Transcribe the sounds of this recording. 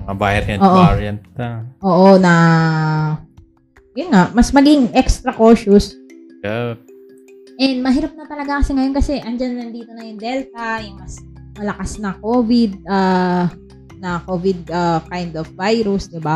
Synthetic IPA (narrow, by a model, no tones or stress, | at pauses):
ɐba̰jɾɐ̰oːʔoɾɐnt̪̚ɐʔoːʔonɐ | jʊnŋaʔmɐsmɐɡɪŋʔɛkst̪ɾɐkoːʃʊs | jɛ | ʔɛnd̪mɐɦɪɾap̚nɐt̪ɐlɐɡakɐsɪŋɐjo̞nkɐsɛʔɐnd͡ʒanːɐnd̪iːt̪o̞nɐjʊŋd̪ɛlt̪̚ɐjʊŋmɐsmɐlɐkasnɐkoːvɪd̪̚a | nɐkoːvɪd̪̚akajnd̪ofːajɾusd̪ɪba